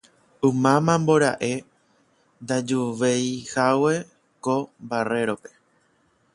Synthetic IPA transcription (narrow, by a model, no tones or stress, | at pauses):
umãmãmbo̞ɾa̰ʔe̞ | nd̪ad͡ʒuʋejhawe̞ | kombare̞ɾo̞pe̞̥